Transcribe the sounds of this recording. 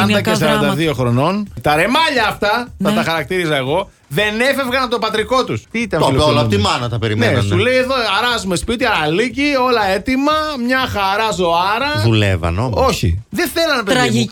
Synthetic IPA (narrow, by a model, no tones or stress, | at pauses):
ɐnd̪ɐkesɐɾɐnd̪ɐðio̞xɾo̞no̞nt̪ɐɾe̞mɐʎɐːft̪ɐθɐt̪ɐxɐɾɐk̚t̪iɾizɐeɣo̞ | ðe̞ne̞fe̞vɣɐnɐpot̪o̞pɐt̪ɾiko̞t̪ust̪iit̪ɐnoloeolɐot̪imɐnɐt̪ɐpeɾimneesulejeðoɐɾɐzumespit̪iɐɾɐlicio̞lɐe̞t̪imɐmɲɐxɐɾɐzo̞ɐɾɐðulḛvɐ̰noo̞çḭðeθe̞lɐnɐpeɐ